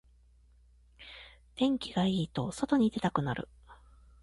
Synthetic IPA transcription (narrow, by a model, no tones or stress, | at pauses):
d̪̥ẽ̞ŋkʲiɡaiːt̪o̞so̞t̪o̞ɲ̟id̪e̞t̪akɯ̟naɾɯ̟̰